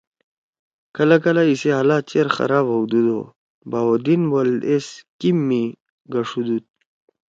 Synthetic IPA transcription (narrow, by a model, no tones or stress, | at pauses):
kɐlakɐlaiseɦalaːt͡ɕeɾxɐ̰ɾaːbɐwd̪ud̪o̰ | bawod̪inwɐleskimːi | ɡɐʂud̪ut̪̚